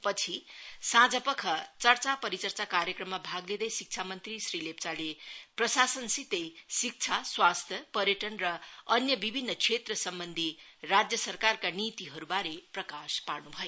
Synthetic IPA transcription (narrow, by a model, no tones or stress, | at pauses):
pʌt͡sʰisãd͡zʌpʌkʰʌt͡sʌrt͡sapʌɾit͡sʌrt͡sakaɾjʌkrʌmːabʱaɡled̪ʌjsik̚t͡sʰamʌnt̪risrilep̚t͡saleprʌsasʌnsit̪ejsik̚t͡sʰaswast̪ʰjʌpʌɾjʌʈʌnrʌʌnjʌbibʱinːʌkt͡sʰet̪rʌsʌmbʌnd̪ʱirad͡zjʌsʌrkarkanit̪iɦʌɾubaɾeprʌkaspaɾnubʱʌjo